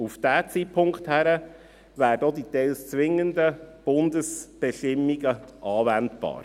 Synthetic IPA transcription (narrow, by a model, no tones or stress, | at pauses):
ufd̥æt͡siːpʰʊŋkχthæɾə | væːɾədoditɛlst͡sʋɪŋːəndəb̥ʊndəsb̥ɛʃtɪmːiɡəʔɑːvɛntb̥ɑ̰ːɾ